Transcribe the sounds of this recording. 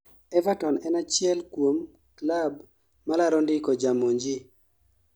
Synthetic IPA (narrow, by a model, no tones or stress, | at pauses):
ɛvatɔnɛnat͡ʃɪɛlkwom | klabː | alaɾɔndɪkɔd͡ʒamoɲd͡ʒi